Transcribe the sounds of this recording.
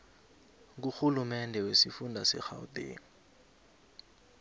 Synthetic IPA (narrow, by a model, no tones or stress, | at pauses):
k̬uxulumɛndʱɛwesifundʱasɛ̰xa̰udḛ